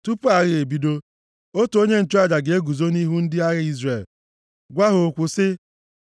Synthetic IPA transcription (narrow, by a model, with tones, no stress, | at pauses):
tu˦pu˦a˨ɾɪ˦e˨bi˦do˦ | o˦to˦ɲe˦n̩˨t͡ʃo˦a˦d͡ʒa˨ɡe˨e˦ɡu˨zo˦ni˦ɦu˦n̩˦dɪ˦a˦ɣɪ˦i˦zre˨l | ɡʷa˦ɦʊ˨kʷʊ˨sɪ˦